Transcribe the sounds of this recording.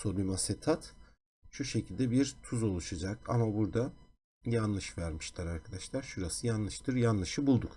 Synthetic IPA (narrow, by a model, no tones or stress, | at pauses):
sobʲimaset̪ʰat̪ | ʃuʃe̞cʰilʲd̪ɛbiɾt̪ʰuzo̞lˠuʃad͡ʒaka̰mabuɾd̪a | janlˠɯʃvæɾmiʃlʲˠaɾaɾkʰad̪aʃlˠaɾʃuɾasɯjanlˠɯʃt̪ʰɯɾjanlˠɯʃɯbulˠd̪uk